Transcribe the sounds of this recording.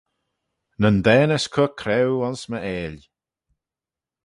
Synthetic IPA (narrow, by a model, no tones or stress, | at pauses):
nənd̪ɛːnəskʰʊkʰɾɛwɔnsməeːl